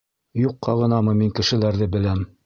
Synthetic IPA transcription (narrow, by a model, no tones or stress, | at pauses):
juqːɑʁɤ̆nɑmɤmiŋkɘ̆ʃɘ̆læɾðɘbɘ̆læm